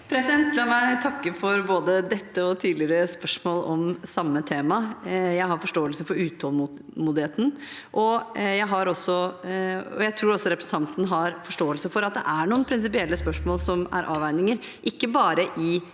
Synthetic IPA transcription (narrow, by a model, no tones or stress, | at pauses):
pʰɾɛsɪd̪ɛnt̪lɑːmæɪt̪ʰɑkːəfɔɾboːd̪əd̪ɛt̪ːəɔt̪ʰiːd̪lɪəɾəspœʂmoːlɔmsɑmːət̪ʰeːmɑjæɪhɑɾfɔʂʈoːəlsəfɔɾʉːt̪hɔl | muːd̪ɪheːt̪n̩ | ʔɔjæɪɦɑɾɔsːɔ | ɔ̰jæɪt̪ʰɾuːɾɔsːɔɾɛpɾəsn̩t̪ʰɑnt̪n̩ɦɑɾfɔʂʈoːəlsəfɔɾɑt̪̚d̪ɛ̰ʔæɳuːənpʰɾɪns̬ɪpɪɛlːəspœʂmoːlsɔmæ̰ɾʔɑːʋæɪnɪŋəɾ | ʔɪkːəbɑːɾəʔɪ